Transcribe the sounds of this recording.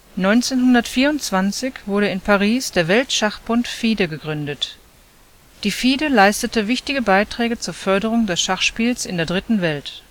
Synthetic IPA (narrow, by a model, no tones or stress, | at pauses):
nɔʏnt͡seːnɦʊndɐtfiːɐʊntt͡sv̥ant͡sɪçv̥ʊɐɾəɪnpʰaʁ̞iːsd̥eːɐvɛltʃaχb̥ʊntfiːdəɡəɡʁʏndət | d̥iːfiːdəlaɪstətəvɪçtɪɡəbaɪtʁ̥ɛːɡət͡suːɐfœɐɾəʁʊŋdɛsʃaχʃpiːlsɪndeːɐdʁɪtn̩vɛlt